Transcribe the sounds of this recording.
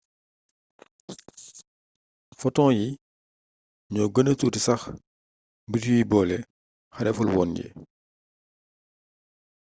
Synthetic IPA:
fɔtɔ̃ːji | ɲɔːɡənətutisɐx | bitijibɔːlɛ | xɐdɛfulwɔːnjɛ̰

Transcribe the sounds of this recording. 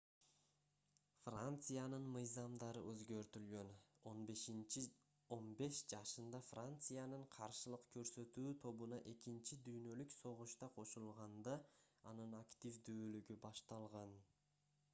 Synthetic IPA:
frant̪sɨjanɯnmɯjzɑmd̪ɑɾɯʔøzɡø̞ɾt̪ylɡø̞no̞nbe̞ʃint͡ʃi | o̞nbe̞ʃd͡ʒɑʃɯnd̪ɑfrant̪sɨjanɯɴqʰɑɾʃɯlˠɯqkʰø̞ɾsø̞t̪yːt̪ʰo̞βunɑʔe̞kint͡ʃid̪yjnø̞lykso̞ʁuʃt̪ɑqʰo̞ʃulˠʁɑnd̪ɑɑnɯnakt̪ʲifd̪yːlyɡybɑʃt̪ɑlˠʁɑn

